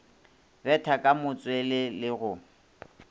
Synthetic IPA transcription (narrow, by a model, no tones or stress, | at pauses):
bɛtʰakʼamʊt͡sʼwelɪlɪɣʊ